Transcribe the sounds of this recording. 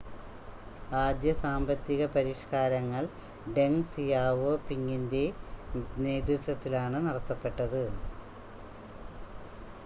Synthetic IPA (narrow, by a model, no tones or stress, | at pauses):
aːd̪jɐsaːmbɐt̪ːiɣɐpɐɾiʂkaːɾɐŋːɐɭ | ɖe̞ŋsijaːʋoːpiŋːinde̞ | ne̞ːd̪ɾut̪ːwɐt̪ːilaːɳɨnɐɽɐt̪ːɐpːe̞ʈːɐðɨ